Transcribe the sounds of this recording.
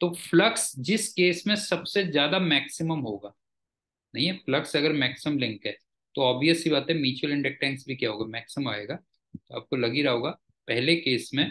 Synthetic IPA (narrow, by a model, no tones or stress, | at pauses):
t̪oːflɐksd͡ʒɪskeːsmẽsɐbsezjaːd̪amɛːksɪməmɦoːɡaː | nɐɦĩɦɛflɐksɐɡəɾmɛːksɪmlɪ̃ŋkɦɛː | t̪oɔːbijəsibaːt̪ɛ̃miːt͡ʃuəlɪ̃ɳɖek̚ʈɛ̃ːŋksbʱikjaɦoːɡaːmɛːksɪmaːeːɡaː | t̪oa̰ːp̚kolɐɡiɾaːɦoːɡaː | pɛɦlekeːsmẽ